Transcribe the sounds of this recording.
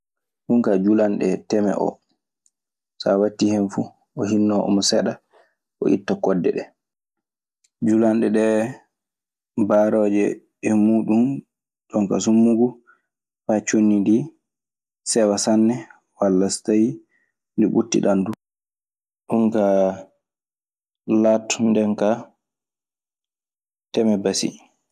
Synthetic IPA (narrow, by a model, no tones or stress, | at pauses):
ɗuŋkad͡ʒulanɗɛtɛmɛ̰ʔɔ̰ | sawatːihɛnfu | ɔhinːɔʔɔ̰mɔsɛɗa | ʔɔ̰ʔitːakɔdːɛ̰ɗɛ | d͡ʒulanɗɛɗɛ | baɾɔːd͡ʒɛ̰ː | muːɗum | ɗɔŋka̰s̬umːuɡu | fat͡ʃonːidi | sɛwasanːɛ | walːastaj | ndiɓutːḭɗandu | ɗuŋka | latːundɛŋka | tɛmɛbasḭ